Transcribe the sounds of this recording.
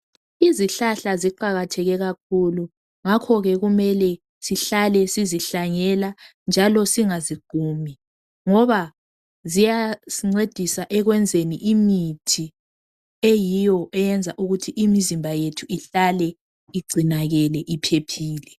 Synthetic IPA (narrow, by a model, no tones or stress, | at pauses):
iziɬaɬaziǃaɣatʰɛɣɛɣak̚ʰulu | ŋakʰɔɣɛɣumɛlɛ | siɬalɛsiziɬaŋɛla | nd͡ʒʱalɔsiŋaziɡ̥ʱuːmi | ŋɔβa | zijasiŋ͡ǀed̥ʱisaʔɛɣwɛnd͡zʱeniʔimitʰi | ejijɔʔɛjɛnd͡zʱaʔuɣutʰiʔimizimbʱajetʰuiɬalɛ | iɡ͡ǀʱinaɣɛlɛʔipʰepʰiːlɛ